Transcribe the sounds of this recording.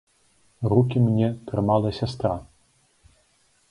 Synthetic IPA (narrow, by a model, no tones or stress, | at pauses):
rukʲimnʲɛt̪ɾɨmalˠɐsʲast̪ɾa